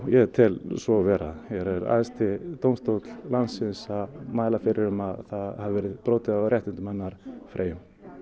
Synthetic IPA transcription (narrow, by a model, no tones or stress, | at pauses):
jɛt̪ʰɪlsvɔvɛːɾa̰ðɛɾɛɾa̰ːɛst̪ɪt̪owmst̪owt̪l̥lansɪnsaðmaːjlafɪɾɪɾʏmaðθaðhavɛːɾɪðpɾoːwt̪ɪðaɾjɛht̪ɪnt̪ɪmanːaɾ̥fɾʔḛːjʏm